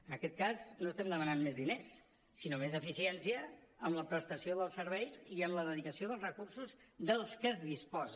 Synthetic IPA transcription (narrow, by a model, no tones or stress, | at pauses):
ənəkɛt̪̚kaznoəst̪ɛmd̪əmənanmezðinesː | inomezəfisiɛnsiəːmləpɾəst̪əsioðəlˠsəɾβɛjziəmləðəðikəsioðəlˠzrəkursuzðəlˠskəzðispɔz